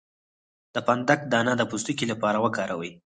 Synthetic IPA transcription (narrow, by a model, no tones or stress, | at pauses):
d̪̥əpand̪ak̚d̪ɑnad̪əpust̪ukilapɑɾawəkɑɾawəj